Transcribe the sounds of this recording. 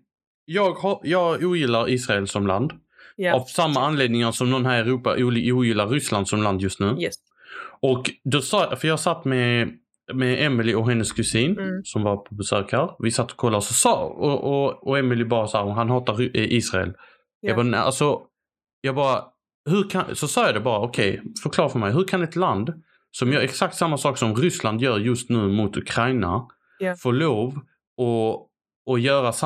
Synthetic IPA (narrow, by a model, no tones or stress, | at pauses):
jɑːɡhɑjɑːɡuːjɪlːaɾiːsɾaɛlsɔmla̰nd̪ | avsamːaanleːd̪nɪŋasɔmnɔnɦæːɾɛɾuːpa̰ʔuuːjɪlːaɾːʏsland̪sɔmland̪jɵst̪nʉ̟ː | ɔkd̪ɔsɑfœɾjɑːhsat̪ːmɛ | mɛɛmɪlɪɔɦɛnːəskʰʉsiːnsɔmvaɾpʰɔbɛsøːkʰaɾvɪsat̪ːɔ̥kʰɔlːaɾsɔsɑ̰ːɔɔɔɛmɪlɪbɑːɾasaːɾɦanɦɑːt̪aɾʔiːsɾaɛ̰l | jɑɡbɑːna̰lsɔ | jɑːɡbɑːɾa | hɵɾkʰasɔsɑːjɑːd̪ɛbɑːɾaɔkʰɛjfœɾkʰlɑːɾfœɾmɛjɦɵɾkʰanɛt̪land̪ | sɔmjœːɾɛksak̚t̪samːasɑːksɔmɾʏsland̪jœːɾjɵst̪nʉ̟ːmʊt̪ɵkʰɾajna̰ | fɔɭoːv | ɔː | jœːɾasa